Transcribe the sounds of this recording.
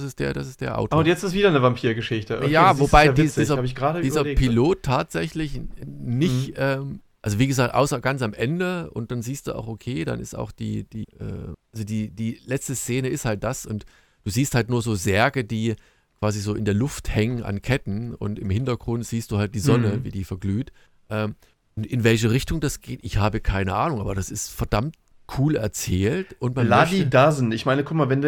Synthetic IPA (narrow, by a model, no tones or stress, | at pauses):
sɪstd̥eːɐdasɪstd̥eːɐʔa̰ʊtʰːʊntjɛt͡stɪstviːdɐnəvampʰiːɐɡəʃɪçtəʔjaːvobaɪviːdiːzɐaːbəɪçɡ̥ʁaːɾədiːzɐːpʰiloːtʰːaːtz̥ɛçlɪçnɪçʔɛːm | ʔalzoviːɡəzaːktʔa̰ʊsɐɡ̥ant͡samʔɛndəʊ̰nt̚d̥anziːstd̥uːa̰ʊxʔokʰeːda̰nɪ̰sta̰ʊxd̥ḭːd̥iːʔɛ̰ːʔalzodiːdiːlɛt͡stəst͡seːnəɪsthalt̚d̥asʔʊnt | d̥uːziːsthaltnuːɐzoːzɛɐɡədiː | kv̥aːzizoːʔɪndeːɐlʊfthɛŋəna̰nkʰɛtn̩ʊ̰ntɪmhɪntɐɡ̥ʁʊntz̥iːst̚d̥uːhalt̚d̥iːzɔnəvḭːdiːfɛɐɡlyːt | ʔɛːm | ʊntʔɪnvɛlç̬əʁɪçtʊŋdasɡ̥eːtʔɪçhaːbəkʰaɪnəʔaːnʊŋʔaːbɐɾasɪstfɛɐd̥amt̚ | kʰuːlɛɐt͡sɛːltʔʊntmaladidazn̩ɪçmaɪnəkʰʊkmaːɐvɛnd